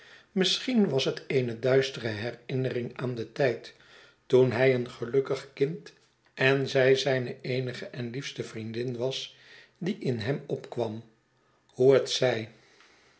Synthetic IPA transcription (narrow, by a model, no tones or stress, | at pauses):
mɪsχinʋɑsɦətejnədœɥstərəɦɛrɪnərɪŋaːndətɛjt | tunɦɛjənχəlɵkəχkɪnt | ɛnzɛjzɛjnəejnəχəʔɛnlifstəvrindɪnʋɑs | diʔɪnɦɛmɔpkʋɑm | huətsɛj